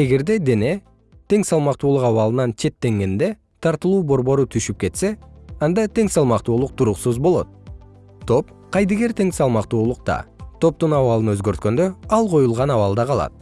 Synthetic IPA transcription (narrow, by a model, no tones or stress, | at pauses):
e̞ɡe̞ɾd̪e̞d̪e̞ne̞ | t̪e̞ŋsɑlˠmɑqt̪uːlˠuqɑwɑlˠɯnɑnt͡ʃʰe̞t̪ːe̞ŋɡe̞nd̪e̞ | t̪ʰɑɾt̪ɯlˠuːbo̞ɾbo̞ɾut̪ʰyʃyp̚ke̞t̪se̞ɑnd̪ɑt̪e̞ŋsɑlˠmɑqt̪uːlˠuq̚t̪ʰuɾuqsuzbolˠo̞̰t̪̚ | t̪ʰːo̞p | qʰɑjd̪eɡe̞ɾt̪ʰe̞ŋsɑlˠmɑqt̪uːlˠuq̚t̪ɑ̰t̪ʰo̞p̚t̪unɑwɑlˠɯnøzɡøɾt̪̚kø̞nd̪øɑlˠqʰo̞julˠʁɑnɑβɑlˠd̪ɑqʰɑlˠɑ̰t̪̚